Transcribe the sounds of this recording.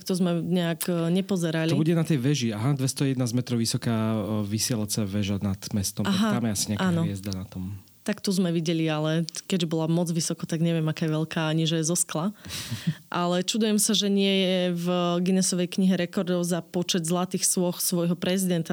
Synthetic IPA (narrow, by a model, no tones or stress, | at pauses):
kt̪ɔzmɛɲɛaɡɲɛpɔzɛɾalibuɟɛnat̪ɛjʋɛʒiaɦad̪ʋɛst̪ɔjɛd̪naːzmɛt̪ɾɔʊʋisɔkaːʋisɪɛlat͡sɛʋɛʒanad̪mɛst̪ɔmaɦat̪amjɛasi̥ɲɛakaːnɔjɛzd̪anat̪ɔm | t̪akt̪ɔzmɛʋiɟɛlialɛkɛʒbɔlamɔd͡zʋisɔkɔt̪aɡɲɛʋɪɛmakaːjɛʋɛlkaːaɲiʒɛjɛzɔskla | ʔalɛt͡ʃud̪ujɛmsaʒɛɲɪɛjɛvɡinɛsɔʋɛjkɲiɦɛɾɛkɔɾd̪ɔʊzapɔt͡ʃɛd̪zlˠat̪iːxsʊɔxsʋɔjɦɔpɾɛzid̪ɛnt̪a